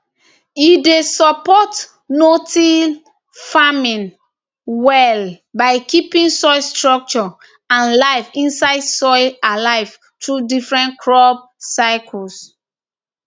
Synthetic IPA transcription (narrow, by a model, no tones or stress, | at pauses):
idesɔpɔt | noti | famĩn | wɛl | baɪkipĩnsɔɪstɹɔk̚t͡ʃɔ | ãnlaɪfĩnsaɪdsɔɪalaɪv | tɹudifɹɛ̃nkʰɹɔb̚saɪkʰɔs